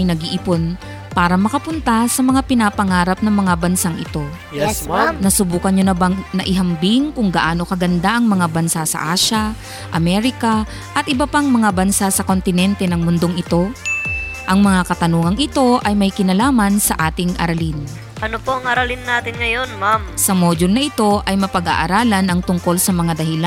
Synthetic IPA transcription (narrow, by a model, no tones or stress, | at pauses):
jnɐɡɪʔɪpo̞n | paːɾɐmɐkɐpʊnt̪asɐmɐŋapɪnapɐŋaːɾɐp̚nɐŋmɐŋabɐnsaŋʔɪ̰t̪o̞ | jɛsnɐsʊbuːkɐnɲonɐbaŋnɐʔɪɦɐmbɪŋkʊŋɡɐʔaːno̞kɐɡɐnd̪aʔɐŋmɐŋabɐnsasɐ̰ʔaːʃɐ | ʔɐmɛɾɪkɐ | ʔɐt̪̚ʔɪbɐpaŋmɐŋabɐnsasɐko̞nt̪ɪnɛnt̪ɛnɐŋmʊnd̪oŋʔɪt̪o̞ | ʔɐŋmɐŋakɐt̪ɐnuːŋɐŋɪt̪o̞ʔɐjmɐjkɪnɐlaːmɐnsɐʔaːt̪ɪŋʔɐ̰ɾɐlɪn | ʔɐnopoɐŋʔɐɾɐlɪnːaːt̪ɪnŋɐjo̞nmamsɐmod͡ʒʊlnɐʔɪt̪o̞ʔɐjmɐpɐɡa̰ʔɐɾaːlɐnɐŋt̪ʊŋko̞lsɐmɐŋad̪ɐhɪla